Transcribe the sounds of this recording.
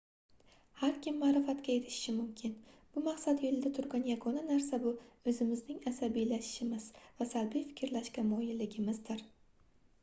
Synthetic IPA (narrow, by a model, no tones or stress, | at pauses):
haɾkʲɪmːaːɾɪfat̪kʲaeɾɪʃɪ̥ʃɪmʊmkʲʰɪnb̥ʊmaqsat̪jolɪd̪at̪ʰʊɾɡʲanjaɡɒnanaɾs̬abʊɵzɪmɪznɪŋasabijlaʃɪ̥ʃɪmɪzvasalbijfɪ̥kʲɾlaʃkʲamɒjɪlːɪɡʲɪmɪzd̪ɪɾ